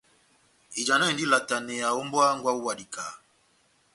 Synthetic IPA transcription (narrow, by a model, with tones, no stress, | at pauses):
i˨d͡ʒa˨na˦i˨ndi˦la˨ta˨nɛ˨ja˨ɔ˦mbwa˦ŋɡwa˦u˦wa˨di˨ka˨